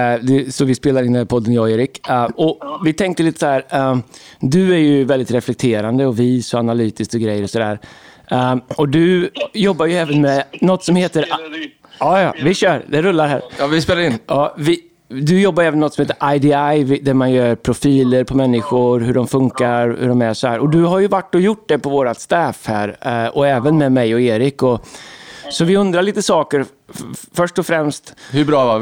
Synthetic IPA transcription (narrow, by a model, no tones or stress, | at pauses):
d̪ɛsɔvɪspeːlaɾɪnːæpʰɔd̪ːənjɔeːɾɪkɔvɪt̪ʰɛŋkt̪əliːt̪əsahæːɾ | d̪ɵæɾjɵvɛld̪ɪt̪ɾɛflɛk̚t̪ʰeːɾand̪əɔviːsɔanalyːt̪ɪsk̚t̪ɔɡɾɛjːəɾɔsɔd̪æ̰ːɾ | ɔd̪ɵjɔbːaɾjɵɛːvənmɛnɔt̪ːsɔmheːt̪əɾ | ɑːjɑ̰ːvɪɕœːɾd̪ɛɾɵlːaɾɦæ̰ːɾɪspeːlaɾɪnjɑːvɪ | d̪ɵjɔbːajɛːvənːɔt̪sɔmheːt̪ːəɾʔajd̪ɪajvɪd̪æɾmanjœːɾpʰɾʊfiːləɾpʰɔmɛnːɪɧʊɾɦɵɖɔmfɵŋkaɾhʉ̰ɖɔmæsɔhæːɾɔd̪ɵɦaɾjɵvaʈːɔjʊʈ̚ːd̪ɛpɔvoːɾat̪st̪ɛːfhæ̰ːɾɔɛːvənmɛmɛjɔeːɾɪkɔ | sɔvɪɵnd̪ɾaɭiːt̪əsɑːkəɾ | fœʂʈɔfɾɛmst̪hɵbɾɑːva